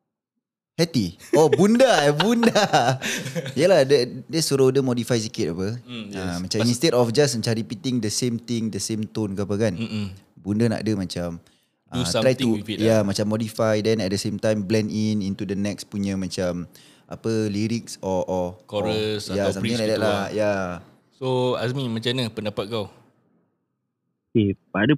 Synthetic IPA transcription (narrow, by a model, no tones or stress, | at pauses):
hɛt̪iɔbundabunda | jəlahdədɛsoɾodəmɔdifajs̬ikit̚apəamãt͡ʃãmnĩnst̪etɔfd͡ʒasãt͡ʃaɾipit̪iŋdəsẽmt̪ĩŋdəsẽmt̪onkəapəkanbundəna̰ʔdəmãt͡ʃam | ʔə̰t̪ɾajt̪ufjamat͡ʃamːɔdifajdɛ̃nɛt̪̚dəsemt̪ãjmblɛ̃ninint̪udənɛkspuɲə̃mãt͡ʃam | ʔa̰pəliɾiksɔʔɔkɔɾəsjassamiɲlakdɛʔlaja | soasmĩnmãt͡ʃanəpəndapat̪̚kaw | okeadə